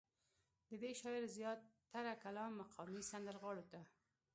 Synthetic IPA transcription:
d̪əd̪eʃɑɪɾzjɑt̪ːaɾakalɑnːaqʰɑmisand̪əlɣɑɽot̪a

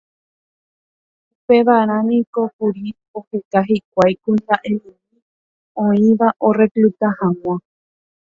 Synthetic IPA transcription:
upe̞ʋaɾ̃ãmĩko̞kuɾi | ohe̞kaɦik̚ʷajkund̪aʔẽnũ | i | õĩʋaʔo̞re̞klut̪ahãŋw̃ʷã

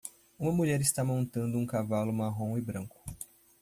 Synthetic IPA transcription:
ũmɐmuʎɛɾɪst̪amõnt̪ɐ̃nd̪ʊũkavalʊmaɦõw̃ɪbɾɐ̃ŋkʊ̥

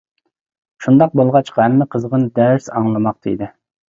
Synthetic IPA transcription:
ʃund̪ɑq̚bolˠʁɑt͡ʃqʰɑhæmːɪqʰəzəʁənd̪æɾsɑŋlˠɨmɑq̚t̪ʰɨ̰ḭd̪ɪ

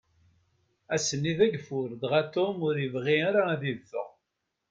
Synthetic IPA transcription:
æsənːiðæɡfʊɾd̪ʁæt̪omʊɾivʁiaɾaæðivːə̰ʁ

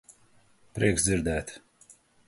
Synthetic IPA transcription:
pɾiɛksd̪ziɾd̪ɛːt̪

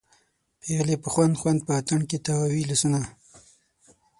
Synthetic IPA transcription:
peɣlepəxwand̪xwand̪̚pəat̪aɳket̪awawilasuna

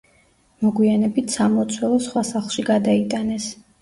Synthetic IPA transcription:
mɔɡwianɛbit̪ʰsamɔt̪sʰwɛlˠɔsχwasaχlˠʃiɡad̪ait̪ʼanɛs

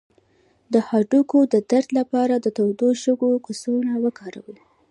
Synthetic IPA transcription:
d̪əhɑɖukod̪əd̪aɾd̪lapɑɾad̪ət̪awd̪oʃəɡokasunawəkʰɑɾa̰wi

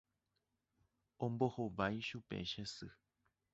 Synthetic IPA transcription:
õmbohoʋajʃupḛʃesɨ

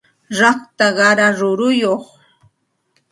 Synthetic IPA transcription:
ɾɑχt̪aɢɑɾaɾʊɾʊjoχ

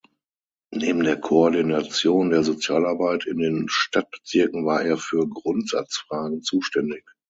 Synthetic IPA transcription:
neːbm̩deːɐkʰoɔɐdinat͡sjoːndeːɐzot͡sjaːlaɐbaɪtʰɪndeːnʃtat̚b̥ə̥t͡sɪɐkŋ̩vaːɐʔeːɐfyːɐɡʁʊntz̥a̰t͡sfʁ̥aːɡŋ̩t͡suːʃtɛndɪç

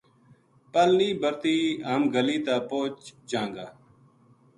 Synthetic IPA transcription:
pəlniːbəɾt̪iːɦəmɡəliːt̪aːpoːt͡ʃd͡ʒãːŋɡaː

